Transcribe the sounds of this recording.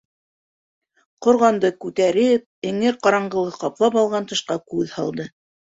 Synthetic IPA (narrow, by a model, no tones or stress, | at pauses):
qŏɾʁɑnd̪ɤkʉt̪æɾɘp̚ɘ̆ŋɘɾqɑɾɑɴɢɤ̆lˠɤqɑplˠɑpɑlˠʁɑnt̪ɤ̆ʃqɑkʉðhɑlˠd̪ɤ